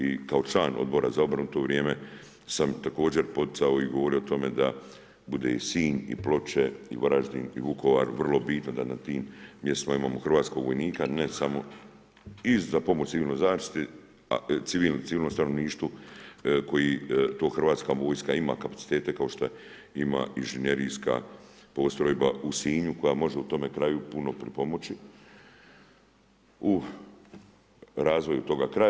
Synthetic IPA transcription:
ikaot͡ʃlaːnod̪bo̞ɾazao̞bɾanut̪o̞ːʋɾjeːme | samt̪ako̞ːd͡ʑe̞ɾpo̞t̪i̥t̪aoiɡo̞ʋo̞ɾiot̪o̞me̞d̪a | bud̪ḛisiːɲḭplo̞t͡ʃeḭʋoɾaʒd̪inḭʋukʰo̞ʋaːɾʋrlˠo̞bit̪nod̪anat̪iːmːjest̪imaimaːmoxr̩ʋaːt̪sko̞ɡʋo̞jniːkanesamo̞ | izzapo̞mot͡ʃt̪iʋiːlno̞jzaːʃt̪i̥t̪e | a̰t̪siʋiːlt̪iʋiːlnost̪ano̞ʋniːʃt̪ʋo | ko̞jit̪oːxr̩ʋaːt̪skaʋo̞ːjskaima̰kapḁt̪si̥t̪e̞ːt̪ekao̞ʃt̪oe | ima̰inʒenje̞ɾijska̰ | po̞ːst̪ɾojba̰usiːɲuko̞jamo̞ʒeut̪o̞me̞kɾaːjupuno̞pɾipo̞mo̞t͡ʃi | u | ɾaːzʋo̞jut̪o̞ɡakɾa

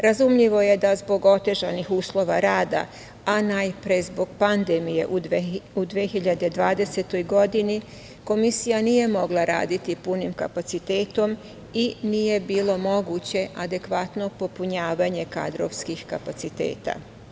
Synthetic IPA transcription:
ɾazumʎiʋo̞je̞d̪azbo̞ɡo̞t̪e̞ʒanixuːslˠo̞ʋaɾaːd̪a̰ | anajpɾezbo̞ɡ̥pand̪emije̞ʔuud̪ʋexiʎad̪e̞d̪ʋaːd̪e̞set̪o̞jɡo̞d̪ini | ko̞misijanije̞mo̞ɡlˠaɾa̰ːd̪it̪ipunimka̰pat̪sit̪e̞ːt̪o̞m | inije̞biːlo̞mo̞ɡut͡ɕe̞ʔad̪e̞kʋat̪no̞po̞puɲaːʋaɲe̞ka̰d̪ɾo̰ʋskixkapat̪sit̪e̞̰ːt̪a̰

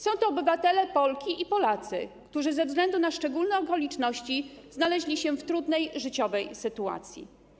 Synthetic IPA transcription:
sɔ̃w̃t̪ɔːbɘvat̪ɛlɛpɔlkʲiʔipɔlat̪sɘ̰kt̪uʐɘzɛvzɡlɛnd̪unaʂt͡ʂɛɡulnɛɔkɔlʲit͡ʂnɔɕt͡ɕiznalɛʑlʲiɕɛft̪ɾud̪nɛjʐɘt͡ɕɔvɛjsɘt̪ua̰t̪sʲjḭ

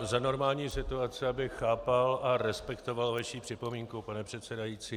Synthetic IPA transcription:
zano̞ɾmaːlɲiːsɪt̪uat͡sɛabɪxaːpalʔaɾɛspɛkt̪o̞valvaʃiːpr̝̥ɪpo̞miːŋkupanɛpr̝̥ɛt̪sɛdajiːt͡siː

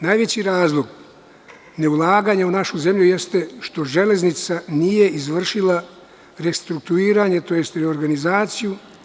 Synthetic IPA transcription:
najʋe̞t͡ɕiɾaːzlˠoɡ | ne̞ulˠaːɡaɲeunaʃuze̞mʎujest̪e̞ʃt̪o̞ʒe̞le̞znit̪sanije̞izʋr̩ʃilˠa | ɾest̪ɾukt̪uiːɾaɲe̞t̪o̞je̞st̪ɾeoɾɡanizaːt̪siju

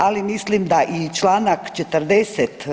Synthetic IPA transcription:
alimislimd̪aʔit͡ʃlaːnakt͡ʃet̪əɾd̪eset̪

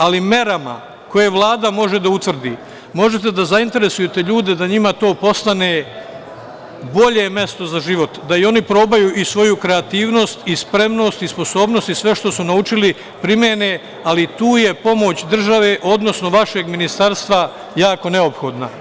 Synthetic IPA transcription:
alimje̞ɾama̰ | ko̞je̞ʋlˠaːd̪amo̞ʒe̞d̪aut̪ʋr̩d̪iː | mo̞ʒe̞t̪̬e̞d̪azaint̪e̞ɾe̞sujet̪e̞ʎuːd̪e̞d̪aɲimat̪o̞ːpo̞st̪ane̞ | bo̞ʎe̞mje̞st̪o̞zaʒiʋo̞t̪d̪aio̞nipɾo̞ːbajuʔisʋo̞jukɾe̞at̪iːʋno̞ːst̪ispɾe̞mno̞ːst̪ispo̞so̞ːbno̞st̪isʋe̞ʃt̪o̞sunaut͡ʃili | pɾimjene | alit̪uːje̞po̞mo̞ːt͡ɕd̪r̩ʒaʋe̞ʔo̞d̪no̞sno̞ʋaʃe̞ɡminist̪aɾst̪ʋa | jaːko̞ne̞opxo̞ːd̪na

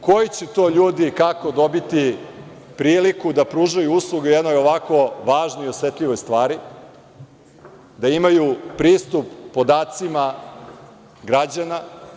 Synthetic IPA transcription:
ko̞jit͡ɕet̪o̞ːʎuːd̪ikako̞d̪o̞bit̪i | pɾiːlikud̪apɾuːʒajuuslˠuɡejed̪no̞jo̞ʋako̞ʋaːʒnoio̞sʋet̪ʎiʋo̞jst̪ʋaːɾi | d̪aimajupɾiːst̪upːo̞d̪aːt̪sima | ɡɾad͡ʑana

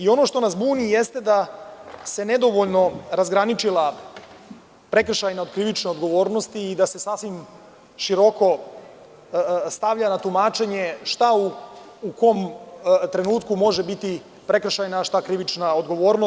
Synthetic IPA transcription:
io̞no̞ʃt̪o̞nasbuːnijest̪ed̪ase̞ned̪o̞ʋo̞ʎno̞ɾazɡɾanit͡ʃila | pɾe̞kr̩ʃajnao̞d̪kɾiʋit͡ʃneod̪ɡo̞ʋo̞ːɾno̞st̪iːd̪ase̞sasʋim | ʃiɾo̞ko̞ | st̪aʋʎanat̪umaːt͡ʃe̞ɲe̞ʃt̪auː | ko̞mt̪ɾe̞nuːt̪kumo̞ʒebit̪i | pɾe̞kr̩ʃajnaʃt̪akɾiʋit͡ʃnaod̪ɡo̞ʋo̞ːɾno

